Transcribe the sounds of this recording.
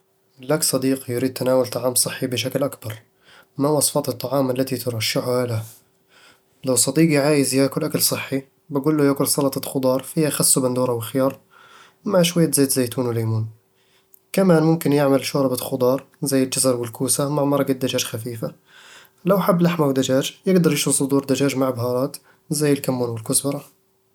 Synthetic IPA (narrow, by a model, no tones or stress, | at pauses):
ʔɪlːaksˤɑd̪iːqjɾiːd̪̚t̪anaːwalt̪ˤɑʕɑːmsˤɨħːibɪʃ̬aklʔakbɑɾˤ | mawɑsˤfɑːt̪ɨt̪ˤːɑʕɑːmalːat̪it̪ɨɾˤɑʃːɪħʊhala | lawsˤɑd̪iːɡjʕaːjɪzjaːkʊlʔakalsˤɨħːi | baɡuːlːujakʊɾsˤɑlɑt̪ˤɑxʊd̪ˤɑːɾˤfiːhaxasːubɪnd̪uːɾˤawɪlxɪjɑːɾˤ | maʕʃwajːazeːt̪zejt̪uːnwɪlajmuːn | kamænmʊmkɪnjɪʕməlʃoɾˤɑbat̪xʊd̪ˤɑːɾˤ | zæjːəld͡ʒazɑɾˤwɪlkuːsamaʕmɑɾˤɑɡad̪ːaʒæːʒxafiːfa | lawħabːlaħmawd̪aʒæːd͡ʒjɪɡd̪ɑɾˤjɪʃusˤʊd̪uːɾˤd̪aʒæːʒmaʕbhɑːɾˤɑːt̪ | zæjːəlkamːuːnwɪlkʊsbɑɾˤɑ